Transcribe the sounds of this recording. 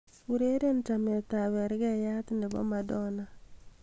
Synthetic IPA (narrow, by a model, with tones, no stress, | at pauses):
uɾe˦ɾe˦nta˨me˨t̪a˨βɛ˨ɾɣɛja˦t̪nde˨bɔ̰˦madɔna˦